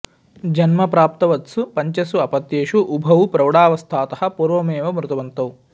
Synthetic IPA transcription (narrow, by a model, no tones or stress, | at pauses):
d͡ʒɐnmɐpɾaːp̚t̪ɐʋɐt̪supɐɲt͡ʃɐsuɐpɐt̪ːeːʂuʔubʱɐʋupɾɐwɽaːʋɐst̪ʰaːt̪ɐɦɐpuːɾʋɐmeːʋɐmɾut̪ɐʋɐnt̪ɐw